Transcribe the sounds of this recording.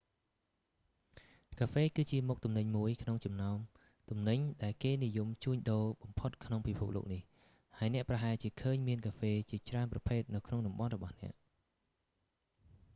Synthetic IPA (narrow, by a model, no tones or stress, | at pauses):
kaːfeːkɨːt͡ɕiəmuk̚t̪umnɨɲmuəjkʰnoŋt͡ɕɑmnaɔm | t̪umnɨɲɗaɛlkeːnijumt͡ɕuəɲɗoːɓɑmpʰot̪̚kʰnoŋpipʰup̚lo̰ːk̚nih | haəjnɛ̆əʔprɑɦaɛlt͡ɕiəkʰəːɲmiənkʰaːfeːt͡ɕiət͡ɕraənprɑpʰeːt̪̚nɨwkʰnoŋɗɑmɓɑnrɔɓɑhnɛ̆əʔ